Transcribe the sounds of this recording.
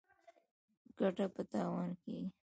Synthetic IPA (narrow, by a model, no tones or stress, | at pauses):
ɡ̥aʈapət̪ɑːwɑnke